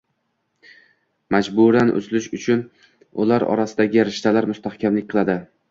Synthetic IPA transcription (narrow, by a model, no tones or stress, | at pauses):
mad͡ʒbʊɾanʔʊ̰zlɪʃʊt͡ʃʰʊn | ʊ̰laɾɒ̰ɾasɪd̪aɡʲɪaɾɪʃt̪alaɾmʊst̪ʰahkʲamlɪkʲqʰɨlˠad̪ɪ